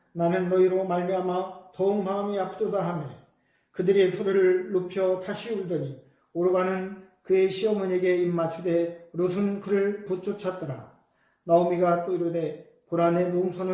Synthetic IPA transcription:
nanɯnːʌiɾomaɭmiɦamatʌɯŋmamiapʰɯdodaɦame | kɯdɯɾisʰoɾɯɾɯɭːopʰjʌtʰaɕʰiuɭdɯɲi | oɾbanɯn | kɯe̞ɕʰiʌmɯɲeɡe̞imːat͡ɕʰude̞ɾosʰunkʰɯɾɯɭput͡ɕ͈ʰot͡ɕʰʌt̚t͈ʌɾa̰ | naomiɡat͈oiɾode̞ | puɾane̞noŋsʰonɯ

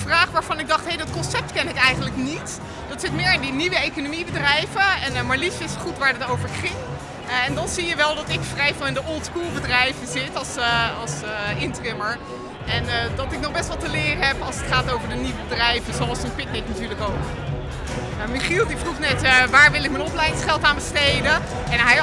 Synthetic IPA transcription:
fraːχʋaːɹv̥ɑnɪɡ̚dɑχtɦejdɑtkɔnsɛp̚tkɛnɪkɛjχəntləknit | dɑtsɪtmɪːɹɪndiniʋəejkonomibədrɛjvənmaɹlisɪsχutʋaːɹdɑtowvəɹχɪŋ | ɛndɑnzijəʋɛlˠdɔtɪkfrɛjvɪlˠɪndəʔɔlˠtskulˠbədrɛjvəzɪtɑlˠsɑlˠsɪntrɪməɹ | ɛndɔtɪk̚nɔχbɛstʋɔlˠtəlɪːrəɦɛpɑlˠsətχaːtowvəɹdəniʋəbədrɛjvəzoɑlˠsənpɪk̚nɪknatyːɹləkok | miχilˠdifruχnɛtʋaːɹʋɪlˠɪk̚mɛnɔplɛjdɪŋsχɛlˠtaːnbəstejdə | ɛnɦɛj

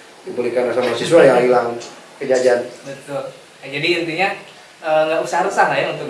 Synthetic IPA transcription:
dibəlikanasamasisualjaŋɦilaŋ | kəd͡ʒad͡ʒaanbət̪ʊl | d͡ʒadiənt̪iɲa | ʔəŋɡaʔusahaɾəsahlajaunt̪ʊk

